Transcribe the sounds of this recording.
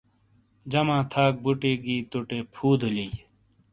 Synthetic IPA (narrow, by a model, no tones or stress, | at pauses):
d͡ʑɐmãːt̪ʰaːk̚buʈiːɡiːt̪uʈeːpʰuːd̪ʱulij